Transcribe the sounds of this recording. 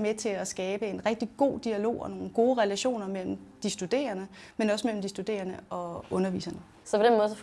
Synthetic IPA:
met͡sʰe̝æsɡ̥ɛːb̥əe̝nʁɛɡ̥̚d̥iɡ̥o̝̰ːd̥iælo̝̰ːɒ̽no̝ːn̩ɡ̥o̝ːʁɛlæɕo̝̰ːnɐmel̰m̩d̥isd̥ud̥e̝̰ːɐnəmenɒ̽smel̰m̩d̥isd̥ud̥e̝̰ːɐnəɒ̽ɔ̽nɐʋḭːsɐnə | sɒ̽pʰɒ̽d̥enmɔð̞̩ˠsɒ

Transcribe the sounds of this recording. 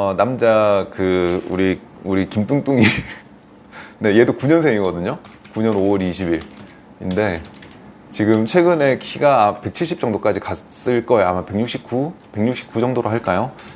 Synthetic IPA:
ʌnamd͡ʑakɯuɾi | uɾikimt͈uŋt͈uŋi | ne̞je̞dokuɲʌnsʰeŋiɡʌdɯɲo | kuɲʌnowʌɾiɕʰibiɭ | inde̞ | t͡ɕiɡɯmt͡ɕʰwe̞ɡɯne̞kʰiɡape̞k̚t͡ɕʰiɭɕ͈ip̚t͡ɕ͈ʌŋdok͈ad͡ʑikas͈ɯɭk͈ʌejamape̞ŋɲuk̚ɕ͈ip̚k͈upe̞ŋɲuk̚ɕ͈i̥p̚k͈ud͡ʑʌŋdoɾoɦaɭk͈ajo

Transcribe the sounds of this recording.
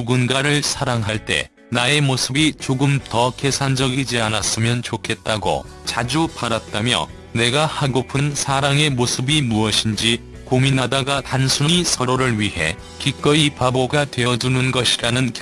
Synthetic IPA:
uɡunɡaɾɯɭsʰaɾaŋɦaɭt͈e̞̰ | nae̞mosʰɯbit͡ɕoɡɯmtʌke̞sʰand͡ʑʌɡid͡ʑianas͈ɯmjʌnt͡ɕokʰe̞t̚t͈aɡo̰ | t͡ɕad͡ʑupaɾat̚t͈amjʌ̰ | ne̞ɡahaɡopʰɯnsʰaɾaŋe̞mosʰɯbimuʌɕʰind͡ʑi | kominadaɡatansʰuɲisʰʌɾoɾɯɭɥihe̞̰ | kik͈ʌipaboɡatwe̞ʌd͡ʑunɯnɡʌɕʰiɾanɯnk

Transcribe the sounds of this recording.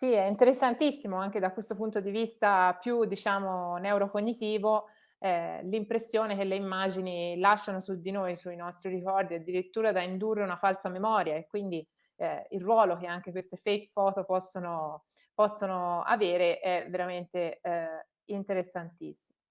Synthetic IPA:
siɛint̪eɾesːant̪isːimoaŋk̟ed̪akːwest̪opunt̪od̪ivist̪apjud̪ːit͡ʃaːmonɛuɾokoɲːit̪iːvo | ɛlimpɾesːjoːnek̟elːeimːad͡ʒinilaʃːanosud̪ːinoːjsuinɔst̪ɾiɾikɔrd̪iad̪ːiɾit̪ːuːɾad̪aind̪urːeunafalsamemɔːɾjaekːwind̪i | ɛilrːwɔːlokeaŋk̟ekwest̪efejkfɔːt̪opɔsːono | pɔsːonoa̰veːɾeʔɛveɾament̪eɛ | int̪eɾesːant̪ḭsːi̥mo

